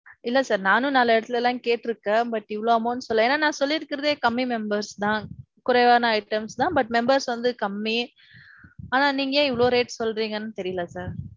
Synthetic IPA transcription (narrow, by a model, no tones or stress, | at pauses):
ɪlːɐsaːɾnaːnɯ̃nɐlːɐɪɽɐt̪ːɪlɛlːãːkeːʈːɪɾɯkːɐ̃bɐʈːɪʋːɐɭoːɐmõːnːɯsɔlːɐeːnːaːnãːsɔlːɪɾɯkːɪɾɐðeːkɐmːimɛmbɐɾst̪ãː | kʊɾɐʋaːnɐɐɪʈɐmst̪ãːbɐʈ̚mɛmbɐɾsʋɐnd̪ɯkɐmːi | aːnãːniːŋɡɐeːɪʋɐɭoːɾeːʈsɔlɾiːŋɡɐnːɯt̪ɛɾɪjɐlɐsaːɾ